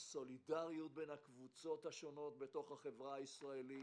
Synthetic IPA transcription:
so̞lidaʁjut̚be̞nhakvut͡so̞thaʃo̞no̞t̚be̞to̞χhaχe̞vʁaːisʁaeli

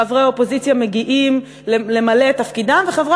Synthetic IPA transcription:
avʁeaopo̞zit͡sjame̞ɡiʔim | lele̞male̞t̪afkid̪amveχavʁa

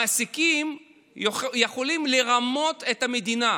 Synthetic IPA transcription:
aʔasikim | jeχo̞limleʁamo̞te̞thame̞dina

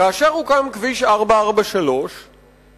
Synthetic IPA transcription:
aːʃeʁhukamkviʃaʁbaaʁbaʃalo̞ʃ

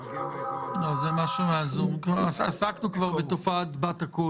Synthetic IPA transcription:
nozɛmaʃumɪazumkasa̰saknukvaʁbɪt̪ɔfatbataku

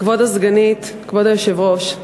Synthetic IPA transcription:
kvod̪azɡanit̪ | kvod̪ajoʃevʁoʃ

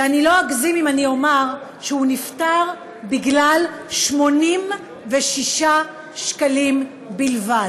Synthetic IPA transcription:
anilo̞aɡzimimanio̞maʁ | ʃehuniftaʁ | biɡlalʃmo̞nim | veʃiʃa | ʃkalim | bilvad

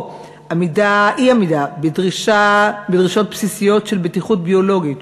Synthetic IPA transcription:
hamidaiamidabedʁiʃabedʁiʃo̞t̚psisijo̞tʃelbetiχutbio̞lo̞ɡit

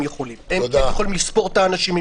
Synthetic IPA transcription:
mjeχolimemod̪ejjɐχolimlispo̞ʁt̪aːnaʃimi

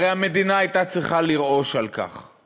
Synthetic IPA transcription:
ʁejame̞d̪inaajt̪at͡sʁiχaliʁo̞ʃalka̰χ

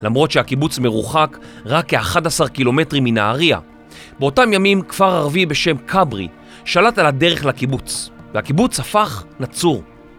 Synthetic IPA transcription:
lamʁo̞tʃeakibut͡sme̞ʁuχakʁakːeaχadasaʁkilo̞me̞tʁiminaaʁia̰ | beo̞tamjamimkv̥aʁaʁvibe̞ʃe̞mkʰabʁḭ | ʃalatalade̞ʁeχlakibut͡svehakibut͡shafaχnat͡suʁ

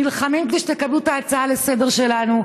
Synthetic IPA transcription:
ilχamimkd̪iʃet̪ekablut̪aːt͡saalese̞d̪e̞ʁʃe̞lanu

